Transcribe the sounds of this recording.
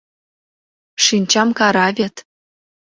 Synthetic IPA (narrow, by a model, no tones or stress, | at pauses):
ʂinʲt͡ɕɑmkɑɾɑvʲet̪